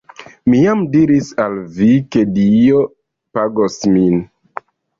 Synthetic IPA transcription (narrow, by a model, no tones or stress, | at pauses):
mijamdiɾisalvike̞dijo | paɡosmin